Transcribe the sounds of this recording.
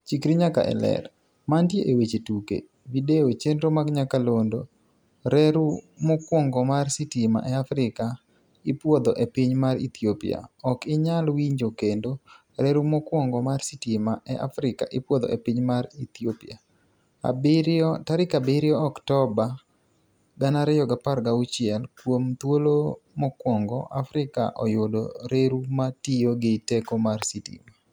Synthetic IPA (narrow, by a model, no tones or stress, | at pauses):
t͡ʃikɾiɲaka̰ʔɛ̰lɛ̰ɾ | mandjeʔewet͡ʃetukḛ | videot͡ʃentomaɡɲakalondo | ɾɛɾumɔkwɔŋɡɔmarsitima̰ʔɛafɾɪka | ɪpwɔd̪ɔʔepiɲmaɾḭt̪iopḭa̰ɔkɪɲalwiɲd͡ʒokendo | ɾeɾumɔkwɔŋɡɔmarsitimaʔɛʔa̰fɾɪka̰ʔɪpwɔd̪ɔ̰ʔepɪɲmaɾit̪iopḭa | a̰bɪɾɔtaɾɪkabɪɾjɔɔktɔba | ɡanaɾɛjɔɡapaɾɡaut͡ʃɪɛlkwomt̪wolomɔkwɔŋɡɔ̰ʔa̰fɾɪka̰ʔɔjʊdoɾeɾumatijoɡɪtekɔmarsitḭma